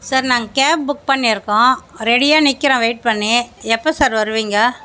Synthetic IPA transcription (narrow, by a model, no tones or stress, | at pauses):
saːɾnaːŋɡɐkaːp̚bʊk̚pɐɳːiɪɾɯkːõːɾɛɽɪjaːnɪkːɪɾõːʋeɪʈ̚pɐɳːeːɛpːosaːɾʋɐɾɯʋiːŋɡɐ